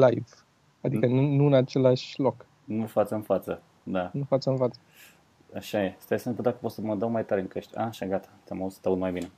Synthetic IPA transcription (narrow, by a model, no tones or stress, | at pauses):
lajv | ad̪ikənunuɨnat͡ʃe̞laʃlo̞k | nufat̪səɨnfat̪sə | d̪anufat̪səɨnfat̪sə̥ | aʃajest̪ajesep̪əd̪akə̥pot̪səməd̪əwmajt̪aɾeɨŋkəʃt̪ʲa̰ʃaɡat̪ḁeamaust̪aut̪majbine̞